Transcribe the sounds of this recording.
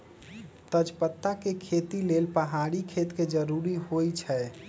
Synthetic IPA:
t̪əd͡ʒpət̪ːakekʰet̪ilelpəɦaɽikʰet̪ked͡ʒəɾuɾiɦojt͡ʃʰɛ

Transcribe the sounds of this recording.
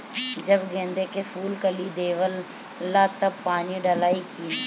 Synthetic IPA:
d͡ʑɐbɡẽːnd̪ekefuːlkɐlid̪eːʋəlː | at̪ɐpaːniɖɐlaːikʰiː

